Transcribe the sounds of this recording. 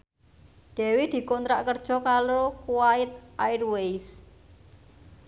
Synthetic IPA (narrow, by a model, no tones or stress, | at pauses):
d̪̥ɛ̤wɪd̪̥i̤kɔnt̪ɾaʔkərd̥ʒ̥ɔ̤kalokuwaɪt̪̚ʔajrwejs